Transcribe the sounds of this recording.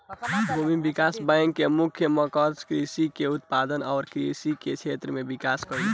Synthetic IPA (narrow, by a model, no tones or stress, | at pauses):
bʱomibikasbajŋkːemukʰjəməkəɾskɾisikeut̪pad̪ənaʊɾkɾisiket͡ʃʰet̪ɾəmebikaskəɾi